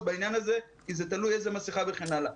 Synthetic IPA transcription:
bainjanaze̞ | kizet̪alujejzemasiχabeχenala

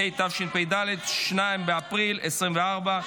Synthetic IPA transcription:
ejt̪afʃinpejd̪aled̪ʃnaimbeapʁilɛsʁimveaʁba

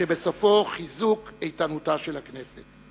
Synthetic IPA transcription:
ebe̞sofo̞χizukejtanutaʃelhakne̞set

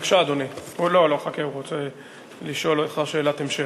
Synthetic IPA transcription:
kʃaːd̪oniuloloχakeuʁot͡se | liʃo̞leχaʁʃeːlat̪emʃe

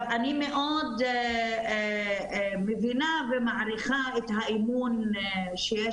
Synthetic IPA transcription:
vanimeʔod̪ | mevinavemaʕɾiχaet̪haʔimun | ʃeje

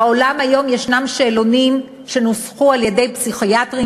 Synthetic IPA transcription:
olamajo̞mjeʃnamʃelonim | ʃe̞nosχualjede̞jpsiχijatʁi

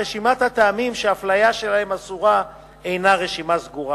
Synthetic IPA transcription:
eʃimat̪hat̪aːmimʃeaflajaʃe̞lahe̞masuʁa | e̞jnaʁe̞ʃimasɡuʁa

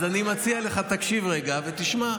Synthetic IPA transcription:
zanimat͡sialeχat̪akʃivʁeɡavet̪iʃma

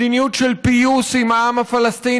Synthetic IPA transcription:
injuʈɾɐlpijusimaamɐfɐlɐst̪i

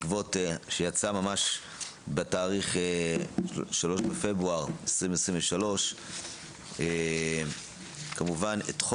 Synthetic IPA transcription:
kvo̞teʃejat͡samamaʃ | betaːʁiχe | ʃalo̞ʃbefe̞bʁuaʁesʁimvesʁimveʃalo̞ʃ | e | kamuvanet̪χ

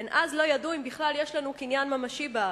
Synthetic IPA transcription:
enʔazlo̞jaduimbiχlaljeʃlanukinjanmamaʃiba

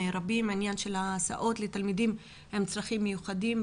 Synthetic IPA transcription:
eɾabimainjanʃe̞laːsa̰ʔo̞t̪let̪almid̪im | he̞mt͡sʁaχimːejuχadim

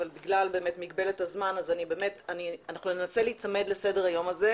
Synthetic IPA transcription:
valbiɡlalbe̞ːme̞tmiɡ̚be̞letazmanazanibe̞ːmetanianaχnunenase̞liːt͡same̞d̪le̞se̞deʁhajo̞maze

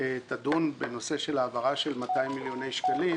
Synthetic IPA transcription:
et̪ad̪unbeno̞seʃe̞laːvaʁaʃe̞lmat̪aimːiljo̞ne̞jʃkali

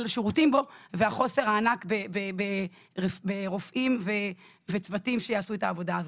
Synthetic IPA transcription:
lʃeʁutimbo̞veaχo̞se̞ʁhaːnakbebebe | ʁbeʁofʔimve | vet͡svatimʃejaːsuetaːvo̞daːz

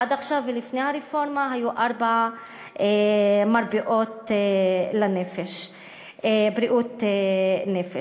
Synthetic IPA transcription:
ʔad̪aχʃavlifnejhaɾifo̞ɾmaɦajuʔaɾba | ʔemaɾbiʔot̪ | lanefeʃ | bɾiʔut̪enefe

